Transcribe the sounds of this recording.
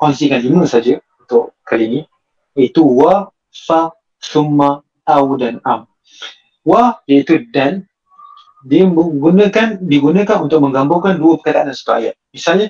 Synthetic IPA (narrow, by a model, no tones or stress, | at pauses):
kɔnsikandiməsad͡ʒəunt̪ʊʔkalini | jait̪uwa | sa | sumːa | tawdanam | wajait̪udan | diɡunəkandiɡunəkanunt̪ʊk̚məŋɡambʊŋkanduəpəkadaʔanansə̥t̪ua̰jaʔmisalɲa